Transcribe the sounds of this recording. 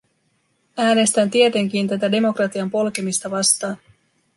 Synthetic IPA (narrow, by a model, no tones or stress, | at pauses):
æːne̞st̪ænt̪ie̞t̪e̞ŋk̟int̪æt̪æde̞mo̞krɑt̪iɑmpo̞lke̞mist̪ɑʋɑst̪ɑːn